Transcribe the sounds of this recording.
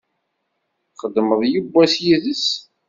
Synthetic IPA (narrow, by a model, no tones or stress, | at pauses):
χəd̪ːməðˤjubːæsjiðəs